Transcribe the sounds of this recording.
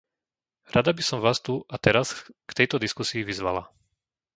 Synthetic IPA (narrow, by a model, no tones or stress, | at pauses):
ɾad̪abisɔmʋaːst̪uʔat̪ɛɾaskt̪ɛjt̪ɔd̪iskusiːʋizʋa̰la